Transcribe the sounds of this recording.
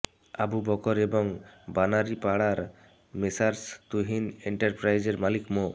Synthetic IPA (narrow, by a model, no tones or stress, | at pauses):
a̰bubɔkɔɾebɔŋbanaɾipaɽaɾ | mesaɾst̪uɦineɳʈaɾpɾajzeɾmalikmɔ